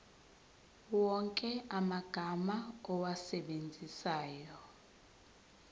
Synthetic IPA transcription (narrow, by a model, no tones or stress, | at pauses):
wɔŋkʼɛamaɡ̥ʱamaɔwasɛɓend͡zʱisaːjɔ